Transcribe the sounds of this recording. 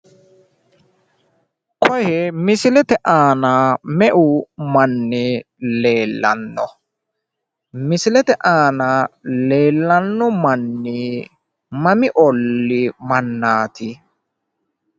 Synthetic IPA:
kʰɔhɛmɪsɪlɛt̪ɛʔaːnaːmɛʔʊmɐnːɪ | le̞ːlːɐ̰nːɔ | mɪsɪlɛt̪ɛʔaːnaːle̞ːlːɐnːɔmɐnːɪ | mɐmɪʔɔlːɪmɐnːaːt̪ɪ

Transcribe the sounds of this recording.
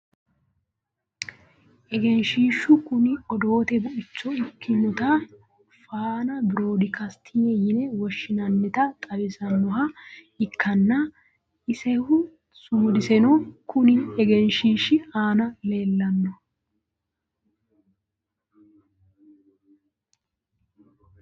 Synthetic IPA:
ʔɛɡɛnʃiːʃʊkʊnɪɔd̪o̞ːt̪ɛbʊʔɪt͡ʃːɔɪkːɪnɔt̪ɐ | faːnɐbɪɾo̞ːd̪ɪkʰɐst̪ʰɪjɛjɪnɛwɔʃːɪnɐnːɛt̪ɐt̪ʼɐbɪsɐnːɔɦɐ | ɪkːɐnːɐ | ɪsɛhʊ | sʊmd̪ɪsɛnɔkʊnɪɛɡɛnʃiːʃɪaːnɐle̞ːlːɐnːɔ

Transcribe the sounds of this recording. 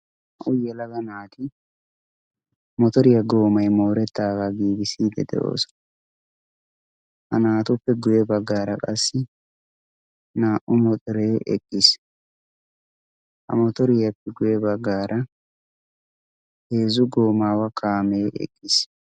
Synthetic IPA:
hɐʔʊjɛlɐɡɐnaːt̪ɪ | mɔt̪ɔɾɪjɐɡo̞ːmɐjmo̞ːɾɛt̪ːaːɡaɡiːɡɪsiːd̪ɛ̰d̪ɛ̰ʔo̞̰ːsɔ̥ | hɐnaːt̪ʊpːɛɡʊjɛbɐɡːaːɾɐkʼɐsːɪ | naːʔʊmɔt̪ʼɪɾe̞ːʔɛ̰kʼːɪs | hɐ̰mɔt̪ɔɾɪjɐpːɛɡʊjɛbɐɡːaːɾʔɐ | heːzʊɡo̞ːmaːwɐkʰaːme̞ːʔɛ̰kʼːɪs

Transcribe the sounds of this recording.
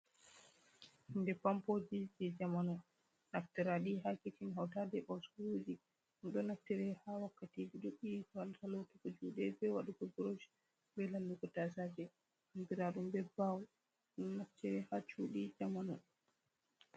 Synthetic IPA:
indɛpampod͡ʒid͡ʒɛd͡ʒamanɔ | naftɛɾaɗiɦakitinɦawtadɛbawsɾud͡ʒi | nɗɔnaftːɛɾɛhawakːatid͡ʒiɗuɓːikɔaltalotɛkɔd͡ʒuɗɛbɛwaɗukɔɡɾod͡ʒ | bɛlalːuɡɔtasad͡ʒɛ | mbiɾaɗumbɛbaw | ɗɔnatːɛɾɛhat͡ʃuːɗid͡ʒamanɔ

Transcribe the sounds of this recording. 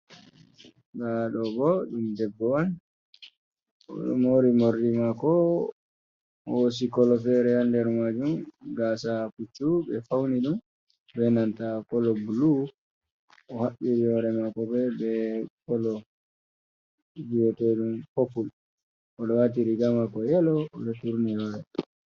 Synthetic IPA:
ɡaɗɔbɔɗumdɛbːɔan | ɔ̰ɗɔmoɾimoɾdimakɔ | ɔwos̬ikɔlɔfɛɾɛhandɛɾmad͡ʒumɡasakut͡ʃːubɛfawniɗum | bɛnantakɔlɔbulu | ɔhaɓiɾijɔɾɛmakɔbɛbɛkɔlɔ | d͡ʒijɔtɛɗumpopul | ʔɔɗɔwatiɾiɡamakɔjɛlɔːɗɔtuɾnijɔɾɛ

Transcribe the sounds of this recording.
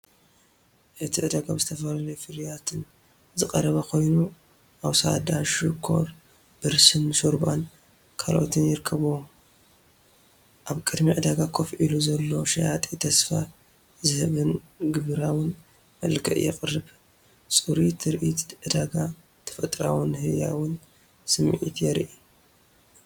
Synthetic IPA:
ʔɨt̪ʰiʕɨd̪aɡabzɨt̪ʰɐfɐlalɐjfɨɾijat̪ʰɨn | zɨqʼɐɾɐβɐkʰo̞jnu | ʔawsa̰d̪aʃɨkʰo̞̰ɾ | b̥ɨɾsɨnsoɾban | kʰalʔot̪ʰɨnjɪɾkʰːɐβm | ʔaβkʼɨd̪miʕɨd̪aɡakʰofʔiluzɐlːoʃɐjat̪ʼit̪ʰɐsfa | zɨhɨβɨn | ɡɨβɨɾawʊn | mɐlkʰɨ̰ʔjɛ̰kʼɨrːɨβ | sʼɨɾit̪ʰɨɾʔit̪ʕɨd̪aɡa | t̪ʰɐ̥fɐt̪ʼɾawɨnhɨja̰wʊn | sɨmʕḭt̪ʰjɛɾʔi

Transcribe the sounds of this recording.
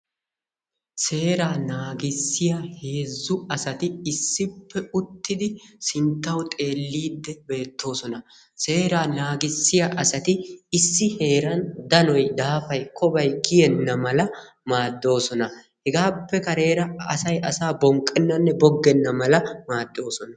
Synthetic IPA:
se̞ːɾaːnaːɡɪsːɪjahe̞ːzːʊɐsɐt̪ɪɪsːɪpːɛʊt̪ːɪd̪ɪsɪnt̪ːɐwt̪ʼe̞ːlːiːd̪ːɛbe̞ːt̪ʰːo̞ːsɔnɐ | se̞ːɾaːnaːɡɪsːɪjaʔɐsɐt̪ɪɪsːɪhe̞ːɾɐnd̪ɐnɔjd̪aːfɐjkʰɔbɐjkɪjɛnːɐmɐlɐ | maːd̪ːo̞ːsɔnɐ | hɛɡaːpːɛkɐɾe̞ːɾɐɐsɐjʔɐsaːbɔŋkʼːɛnːɐnːɛbɔɡːɛnːɐmɐlɐmaːd̪ːo̞ːsɔnɐ

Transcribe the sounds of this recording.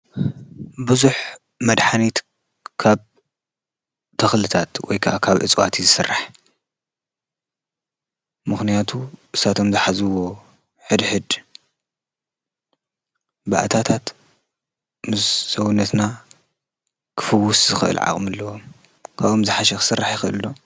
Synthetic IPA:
bɨzuħ | mɐd̪ħanit̪ | kʰaβ | t̪ʰɐxlɨt̪ʰat̪wɔ̰jkʰɐʔakʰaβʔɨ̰t͡sʼwat̪ʰizɨsɨrːaħ | mɨxnijat̪ʰuʔɨsat̪ʰo̞mzɨħazɨwo̞ | ħɨd̪ħɨd̪ | baʔat̪ʰat̪ʰat̪ | mɨszɐwnːɐt̪na | kʰɨ̥fɨwːuszɨxɨʔɨ̰lʕa̰χʼmɨlːɐwom | kʰaβomzɨħaʃɛxɨ̥sɨrːaħjɪxɨʔɨld̪o

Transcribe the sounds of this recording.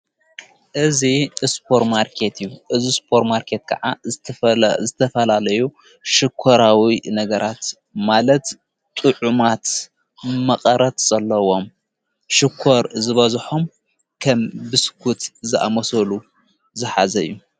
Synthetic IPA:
ʔɨzispʰoɾtmaɾkʰe̞t̪ɨjːuʔɨzispʰo̞ɾmaɾkʰe̞t̪kʰɐ̰ʕa | zɨt̪ʰɐfɐlalɐju | ʃɪkʰːoɾawinɐɡɐɾʔat̪ | malɐt̪ | t̪ʼɨʕumat̪ | mɐqʼɐɾɐt̪z̥ɐlːɐwo̞m | ʃɪkʰːoɾzɨβɐzħom | kʰɐmbɨskʰut̪zɨʔa̰mɐsɐlu | zɨħazɐɨ̰jːu

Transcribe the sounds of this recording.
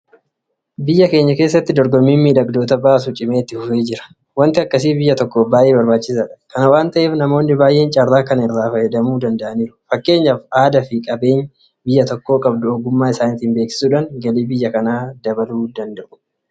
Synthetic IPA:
bɪjːɐke̞ːɲːɐke̞ːs̬ːɐt̪ːɪd̪ɔɾɡɔmːiːmmiːᶑɐɡd̪o̞ːt̪ɐbaːs̬ut͡ʃʼɪmeːt̪ːɪfʊfeːd͡ʒɪɾɐ̥ | wɐnt̪ɪɐkːɐs̬iːbɪjːɐt̪ɔkːoːbaːjʔe̞ːbɐɾbaːt͡ʃːɪs̬aːᶑɐ̥kɐnɐwaːnt̪ɐʔeːfnɐmo̞ːnːɪbaːjʔeːnt͡ʃʼɐrːaːkɐnɪrːaːfɐhɛd̪ɐmuːd̪ɐnd̪ɐʔɐniːɾʊ̥fɐkːe̞ːɲːaːfaːd̪ɐfɪkʼɐbe̞ːn | bɪjːɐt̪ɔkːo̞ːkʼɐbd̪ʊoːɡʊmːaːɪsaːnɪt̪ɪmbe̞ːksɪ̥suːᶑaŋɡɐliːbɪjːɐkɐnaːd̪ɐbɐluːd̪ɐnd̪ɐʔʊ̥

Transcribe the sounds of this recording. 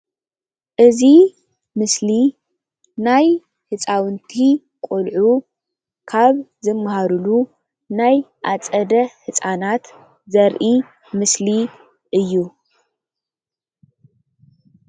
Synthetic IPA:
ʔɨzi | mɨsli | naj | hɨt͡sʼawɨnt̪ʰi | kʷʼulʕu | kʰaβzɨmːahaɾulu | najʔat͡sʼɐd̪ɐħɨt͡sʼanat̪ | zɐɾʔi | mɨsli | ʔɨjːu

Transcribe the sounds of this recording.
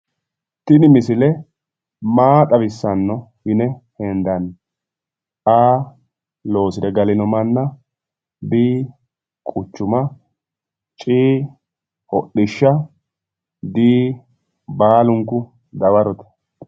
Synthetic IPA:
t̪ɪnɪmɪsɪlɛ | maːt̪ʼɐβɪsːɐnːɔwɪnɛhɛnd̪ɐn | aː | lo̞ːsɪd̪ɛɡɐlɪnɔmɐnːɐ | biː | kʼʊt͡ʃːʊmɐ | t͡ʃʼiː | hɔ̰ɗːɪʃːɐ | d̪iː | baːlʊŋkːʊ | d̪ɐbɐɾɔt̪ɛ̥

